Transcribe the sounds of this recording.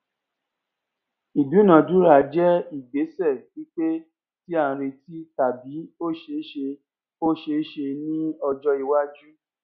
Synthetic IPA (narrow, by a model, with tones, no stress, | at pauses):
i˨du˨˦nã˨du˦ɾa˨˦d͡ʒɛ˦i˦˨ɡ͡be˨˦sɛ˦˨ki˦k͡pe˦ | ti˦ã˦˨˧ɾe˧ti˦ta˨bi˨˦o˦˨ʃe˧˦ʃe˧ | o˦ʃe˧˦ʃe˧nĩ˦ɔ˧d͡ʒɔ˦i˧wa˦d͡ʒu˦